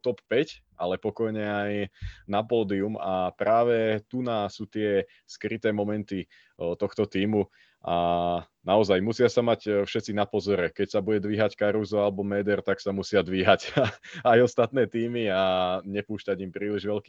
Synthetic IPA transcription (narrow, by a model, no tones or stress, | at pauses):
t̪ɔppɛcʔalɛpɔkɔjɲɛajnapɔːd̪iumapɾaːʋɛt̪unasuːt̪ɪɛ | skɾit̪ɛːmɔmɛnt̪i | t̪ɔxt̪ɔt̪iːmu | ʔa | naɔzajmusɪasamacfʃɛt̪t͡sinapɔzɔɾɛkɛcsabuɟɛd̪ʋiːɦackaɾuzɔalɛbɔmɛːd̪ɛɾt̪aksamusɪad̪ʋiːɦacajɔst̪at̪nɛːt̪iːmiaɲɛpuːʃcaɟimpɾiːliʒʋɛlki